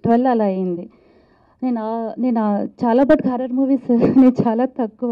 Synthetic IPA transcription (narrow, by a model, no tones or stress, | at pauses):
ʈʋɐlːɐlaːɐjind̪i | ne̞ːnaːne̞ːnaːt͡ʃaːlaːbɐʈɡʱaːɾɐɾmuːʋiːsne̞ːnt͡ʃaːlaːt̪ɐkːuʋa